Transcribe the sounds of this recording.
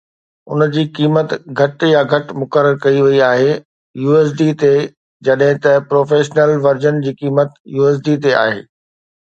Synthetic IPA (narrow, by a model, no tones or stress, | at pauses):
ʊ̰nd͡ʑiːkiːmət̪ɡʱɐʈjaɡʱɐʈmʊkəɾəɾkɐiʋɐiaːɦe | juːeːs̬ɖit̪e | d͡ʑɐɗɦɪ̃t̪ɐpɾoːfeːʃnəlʋɐɾd͡ʑənd͡ʑiːkiːmət̪juːɛːs̬ɖit̪ea̰ːɦḛː